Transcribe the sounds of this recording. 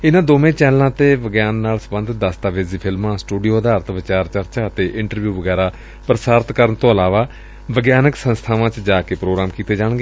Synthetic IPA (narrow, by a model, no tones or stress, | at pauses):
ɪnãːd̪oːmẽːt͡ʃɛːnlãːt̪eːʋəɡjaːnːaːlsəbə̃nd̪d̪əst̪aːʋeːziːpʰɪlmãːsʈuːɖijoːəd̪aːɾt̪ʋɪt͡ʃaːɾt͡ʃəɾt͡ʃaːət̪eːʔɪɳʈəɾʋjuːʋəɡɛːɾaː | pɾəsaːɾt̪kəɾənt̪õːəlaːʋaː | ʋəɡjaːnəksə̃nst̪ʰaːʋãːt͡ʃd͡ʒaːkeːpɾoːɡɾaːmkiːt̪eːd͡ʒaːɽ̃ɡeː